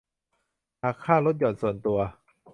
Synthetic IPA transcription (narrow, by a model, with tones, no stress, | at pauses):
haː˨˩kʰːaː˥˩lo˦˥t̪̚jɔː˨˩nsu˨˩ənt̪u˧ɐ